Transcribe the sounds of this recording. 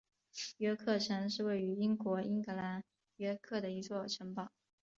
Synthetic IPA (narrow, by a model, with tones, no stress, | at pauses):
ɥɛ˧˥kʰɤ˥˩ʈ͡ʂʰɤ˧˥ŋʂ̬ɻ̩˥˧we˥˩ɪy˧˥i˥ŋkwɔ˧˥i˥ŋkɤ˧˥la˧˥n | ɥɛ˥kʰɤ˥˩d̪ə˩i˧˥t͡swɔ˥˩ʈ͡ʂʰɤ˧˥ŋpɑ˨˩˦